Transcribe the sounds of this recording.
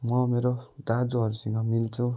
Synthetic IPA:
mʌmeɾod̪ad͡zoɦʌɾusʌŋɡʌmilt͡sʰũ

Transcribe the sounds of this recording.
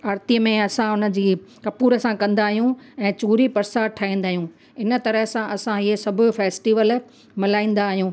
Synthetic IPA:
aːɾt̪iəmẽɐsãʊnə̆d͡ʑiːkɐpuːɾəsãkɐ̃nd̪aːɦijũɛ̃ːt͡ɕuːɾipɐɾsaʈʰaːĩːnd̪aːɦijũ | ɪnə̆t̪ɐɾəɦsãʔɐsãɪɦesɐbʱʊ̆feːsʈiːʋəl | mɪlaːĩːn̆d̪aːɦijũː

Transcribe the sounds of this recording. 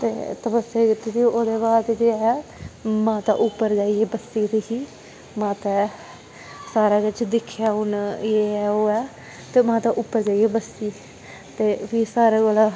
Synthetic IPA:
t̪ḛːt̪əbəseːkɪt̪ːed͡ʒiːoːd̪eːbaːɾt̪ed͡ʒeːɛ | mãːt̪ã̰ːʔʊpːəɾd͡ʒaːieːbəsːiːt̪ikiː | mãːt̪ɛ̃ː | saːɾaːkɪt͡ʃd̪ɪkʰːjaːɦʊneːɛːoːɛː | t̪eːmãːt̪ãːʔʊpːəɾd͡ʒaːieːbəsiː | t̪eːbiːsaːɾaːɡolaː

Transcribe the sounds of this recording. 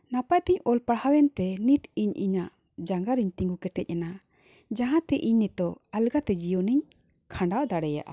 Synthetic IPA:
napaʔt̪iɲɔlpaɽhawɛnt̪ɛnit̪iɲʔiɲaʔ | d͡ʒaŋɡaɾiɲt̪iŋɡukɛʈɛc̚ˀana | d͡ʒaɦãt̪ɛʔiɲnɛt̪ɔalɡat̪ɛd͡ʒijɔniɲ | kʰãɳɖawd̪aɽɛja̰ʔa̰

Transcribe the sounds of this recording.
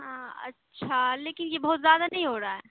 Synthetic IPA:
ɦãːɐ̰tːʃʰaleːkɪnjebɔːt̪zjaːd̪anɐɦĩɦoːɾaɦɛː

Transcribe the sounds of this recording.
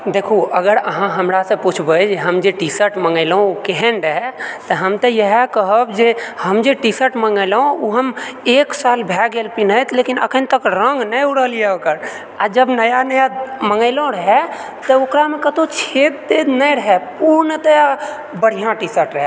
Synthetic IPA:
d̪ekʰoəɡəɾəɦãɦəmɾasẽput͡ʃʰbəd͡ʒeɦəmd͡ʒeʈisəɾʈməŋɡəɪlɦõkeɦɛɳɖəɦɛt̪əɦəmt̪ejəɦɛkəɦəbd͡ʒehəmd͡ʒeʈisəʈməŋɡəɪlõuɦəmeksalbʱɛɡelpinəjt̪lekinə̰kʰənt̪əkɾə̃ŋɡnəjuɽəlijɛokəɾ | a̰d͡ʒəbnəjanəjaməŋɡəɪlõɾəɦɛ | t̪əokɾamẽkət̪ot͡ʃʰet̪̚d̪ed̪nəjɾəɦɛpuɾnət̪əa | bəɽ̤ijãʈisəɾʈɾəɦɛ

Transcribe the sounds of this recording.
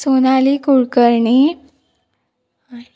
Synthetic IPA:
sonalikuɭkəɾɳi

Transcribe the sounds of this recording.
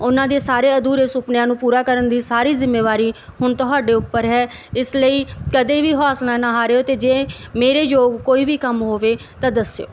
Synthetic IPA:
ʊnãːd̪eːsaːɾeːəd̪uːɾesʊpnjãːnũːpuːɾaːkəɾənd̪iːsaːɾiːzɪmːeːʋaːɾiːhʊɳt̪ʊɦaːɖeːʊpːəɾɦɛːɪsləiːkəd̪eːʋiːɦɔːsnãːnaɦaːɾeːoːt̪eːd͡ʒeːmeːɾeːd͡ʒoːɡkoːiːʋiːkəmɦoːʋeː | t̪ãːd̪əsjo̰ː

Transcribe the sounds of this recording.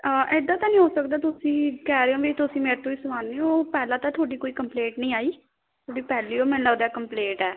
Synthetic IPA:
əʔɪd̪aːt̪ãːnĩːɦoːsək̚d̪aːt̪ʊsĩːkɛːɾeːõːʋit̪ʊsĩːmeːɾt̪ʰõːiːsʊʋaːneːõːpɛːlãːt̪ãːt̪ʰoːɖiːkoːiːkəmpleːʈnəĩːaːiː | t̪ʰoːɖiːpɛːliːoːmɛ̃ːnləd̪ɛːkəmpleːʈɛː

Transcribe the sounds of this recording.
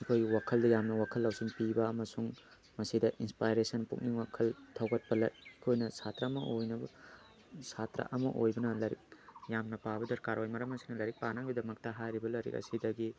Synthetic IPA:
ikʰojɡiwakʰɐldɐjamnɐwakʰɐlːawziŋpibɐɐmɐsuŋ | mɐsidɐʔinspajɾesɐnpṵk̚niŋwakʰɐltʰɐwɡɐt̚pɐlɐ̰ikʰojnɐsatɾamɐʔojnɐbɐ̰ | satɾɐ̰ʔɐmɐʔojbɐnɐlɐɾḭk̚jamnɐpabɐdɐɾkaɾojmɐɾɐmɐsi̥nɐlɐɾik̚panaŋbidɐmɐk̚tɐɦajɾibɐlɐjɾḭkɐ̰sidɐɡi

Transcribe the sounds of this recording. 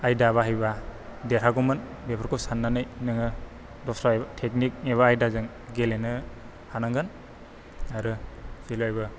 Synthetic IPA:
ajdaβaɦɯjbadeɾʰaɡɔmɯn | bepʰaɾkʰusanːanɯjnɯŋɯ | dɔksɾaebatʰeknik̚neβaajdazɯŋ | ɡelenɯ | hanaŋɡɯn | aɾɯsilajbɯ

